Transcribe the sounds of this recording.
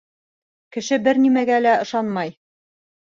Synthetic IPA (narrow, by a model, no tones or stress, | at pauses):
kɘ̆ʃɘbɘɾnimæɡælæɤ̆ʃɑnmɑj